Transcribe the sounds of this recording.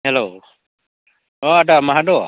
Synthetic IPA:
ɦɛlo | oadamaɦado

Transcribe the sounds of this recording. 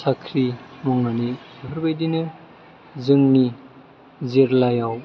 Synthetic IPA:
sakʰɾinɔŋnanisepʰɐɾbajdinɯ | zɯŋni | zeɾlajaw

